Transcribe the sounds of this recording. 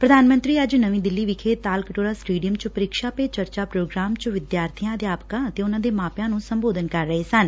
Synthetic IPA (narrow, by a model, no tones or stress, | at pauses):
pɾəd̪ʱaːnmə̃nt̪ɾiːəd͡ʒnəʋĩːd̪ɪlːiːʋɪkʰeːt̪aːlkəʈoːɾaːsʈeːɖijəmt͡ʃəpəɾɪkʃaːpeːt͡ʃəɾt͡ʃaːpɾoːɡɾaːmt͡ʃʋɪd̪jaːɾt̪ʰijãːəd̪jaːpkãːət̪eːʊnãːd̪eːmaːpjãːnũːsəmboːd̪ənkəɾːəɦeːsən